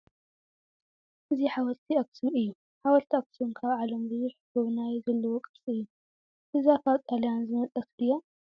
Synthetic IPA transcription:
ʔɨziħawɐlt̪ʰiɐk̚sumɨjːu | ħawɐlt̪ʰiɐk̚sumkʰaβʕalɐmzɨjɪħɨɡoβnajzɐlːɐwokʼɨsʼiɨjːu | ʔɨzafat̪ʼalijanzɨmɐt̪ʼːɐkɨjːo

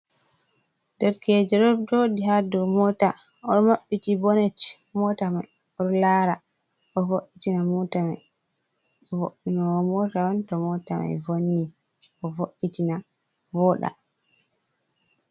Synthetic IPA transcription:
dɛɾkɛd͡ʒɛɗɔɾd͡ʒɔdiɦadumɔta | ɔɾɔmaɓːitibɔnɛt | mɔtamaj | ɔɾlaɾa | ʔɔvoʔitinamɔtamaj | voʔinaɔmɔtawɔntɔmɔta̰ma̰jvonːi | ʔɔvoʔitina | vɔɗa̰

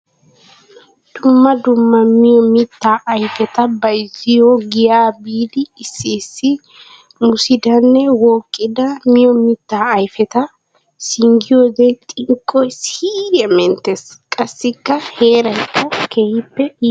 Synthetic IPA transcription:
d̪̥ʊmːɐd̪ʊmːɐmɪjɔmɪt̪ːaːʔɐjfɛt̪ɐbɐjzɪjɔɡɪjaːbiːlɪːsːiːsːɪ | mʊsɪd̪ɐnːɛwoːkʼːɪd̪ɐmɪjɔmɪt̪ːaːjfɛt̪ɐ | sɪŋɡɪjoːd̪ɛt̪ʼɪŋkʼːɔjshijɛmɛnt̪eskʼɐsːɪkːɐheːɾɐjkːɐkehɪpːɛ

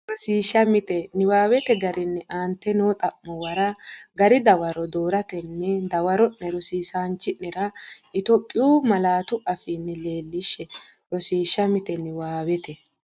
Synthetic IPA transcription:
ɾɔsiːʃːɐmɪt̪ɛnɪwaːwɛt̪ɛɡɐɾɪnːɛʔaːnt̪ːɛnoːt̪ʼɐmːɔwɐɾɐɡɐɾɪd̪ɐwɐɾɔd̪oːɾɐt̪ɛnːɛd̪ɐwɐɾɔʔnɛɾɔsiːsaːnt͡ʃːɪʔnɛɾɐɪt̪ɔpʼːɪjuːmɐlaːt̪ʊʔɐfɪnːɪle̞ːlːɪʃːɛ | ɾɔsiːʃːɐmɪt̪ɛnɪwaːwɛt̪ɛ

